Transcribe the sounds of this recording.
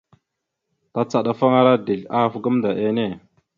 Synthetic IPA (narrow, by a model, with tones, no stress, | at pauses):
ta˨t͡sa˨ɗa˨fa˦ŋa˦ɾa˦di˨ɮa˦˨fɡə˦mda˨ʔe˦ne˦˨